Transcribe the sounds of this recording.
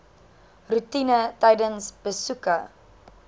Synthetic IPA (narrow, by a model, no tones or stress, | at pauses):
rutinətɛjdənsb̥əsukə